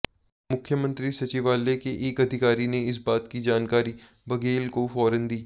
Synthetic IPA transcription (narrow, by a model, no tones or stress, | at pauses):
mʊkʰjəmə̃nt̪ɾisɐt͡ʃiːʋaːlekeʔeːkɐd̪ʱɪkaːɾineɪs̬baːt̪kid͡ʒaːnkaːɾi | bɐɡeːlkofɔːɾənd̪iː